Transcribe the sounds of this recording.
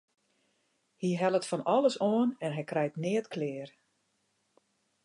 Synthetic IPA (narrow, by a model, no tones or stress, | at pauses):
hiɦɛlˠətfɔnɔlˠəsoənɛnɦɛjkrɛjtnɪːətkʰlɪːər